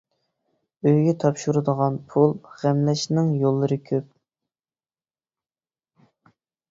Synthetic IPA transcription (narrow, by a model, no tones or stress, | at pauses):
øjɡʲɛt̪ʰɑpʃuɾɨd̪əʁɑnpʰulˠʁ̥æmlɛʃnɪŋjolˠːɨɾɨkʲʰøp̚